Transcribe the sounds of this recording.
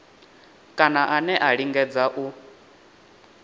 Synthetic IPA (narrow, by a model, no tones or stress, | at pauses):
kʼanaʔanɛʔaɺiŋɡɛd͡zaʔu